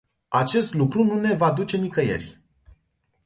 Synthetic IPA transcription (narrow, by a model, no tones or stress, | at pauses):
at͡ʃe̞st̪lukɾunune̞vad̪ut͡ʃe̞nikəjḛrʲ